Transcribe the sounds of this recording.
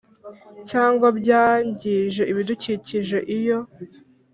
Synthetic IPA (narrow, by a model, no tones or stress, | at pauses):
caːŋɡwabɟaːɲɟiʒe̞ʔiβiduciciʒe̞ʔijo̞